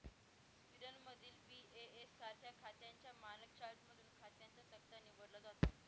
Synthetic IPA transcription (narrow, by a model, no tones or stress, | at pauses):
sʋiɾəlməd̪ʱiːlpiːeesːat̪ʰjatkʰat̪jaɲt͡ɕjamalək̚t͡ɕaɾʈməd̪ʱuːnkʰat̪jant͡sət̪ək̚t̪aniʋəɽləd̪ɦat̪a